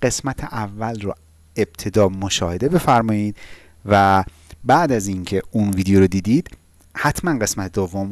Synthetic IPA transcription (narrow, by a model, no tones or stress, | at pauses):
ɢ̥e̞smæt̪ʰeʔævːælro | e̞b̥̚t̪ʰe̞d̪ɒːmoʃɒːhe̞d̪e̞be̞fæɾmɒːjiːd̪̥ | væ | bæʔd̪æziŋcʰeunviːd̪ejoɾod̪iːd̪iːd̪̥ | hæt̪ʰmænɢe̞smæt̪ʰed̪ovːom